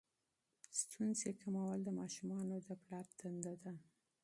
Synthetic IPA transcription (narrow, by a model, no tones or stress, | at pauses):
st̪ʰunzekamawald̪əmɑʃumɑnod̪əplɑɾt̪and̪ad̪a